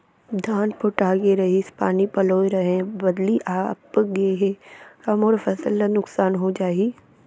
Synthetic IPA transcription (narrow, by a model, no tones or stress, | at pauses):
d̪ʱaːnpoʈaːɡeɾɐɦispaːnipɐloːiɾɐɦẽbɐd̪liʔaːpɡeɦetɐmoːɾfʰɐsəlːanʊksaːnɦod͡ʒaːi